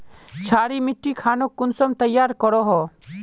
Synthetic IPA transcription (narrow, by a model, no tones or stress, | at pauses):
t͡ʃʰaːɾimɪʈːikʰaːnokʊnsɔmt̪əjːaːɾkɔɾɔɦɔ